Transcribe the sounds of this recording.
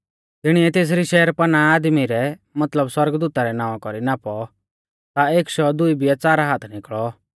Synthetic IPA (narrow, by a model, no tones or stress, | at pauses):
t̪ɪɽ̃iɛt̪eːs̬ɾiʃɛːəɾpɐnaaːd̪miɾɛmɐt̪ləbswɐɾɡd̪uːt̪aɾɛnãːɔ̃kɔɾinapɔ | t̪aeːkʃɔd̪ʊibijɛt͡saːɾaɦaːt̪ʰnɪkɭɔ